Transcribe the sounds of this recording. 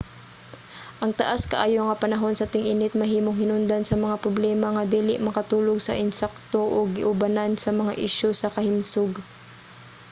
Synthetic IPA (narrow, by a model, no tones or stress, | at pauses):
ʔɐŋt̪ɐʔaskɐʔaːjoŋɐpɐnɐɦo̞nsɐt̪ɪŋʔɪnɪt̪̚mɐɦiːmoŋhɪnʊnd̪ansɐmɐŋapɾoblɛːmɐŋɐd̪iːlɪʔmɐkɐt̪uːlo̞ɡsɐ̰ʔɪnsɛk̚t̪o̞ʔoɡɪʔʊbanansɐmɐŋa̰ʔiʃosɐkɐhɪmsoɡ